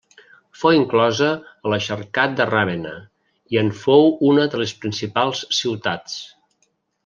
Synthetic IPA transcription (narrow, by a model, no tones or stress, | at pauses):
fowiŋklɔzəːləʃərkat̪̚d̪əraβenə̰ | iəɱfowunəðələspɾinsipalˠssiwt̪at͡s